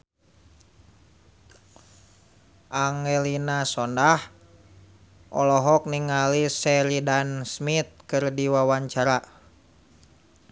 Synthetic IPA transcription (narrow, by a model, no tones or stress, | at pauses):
ʔaŋɛlinasɔndah | ʔɔ̰lɔɦɔk̚niŋalisɛlidansmit̪̚kɨrdiwawaɲt͡ʃaɾa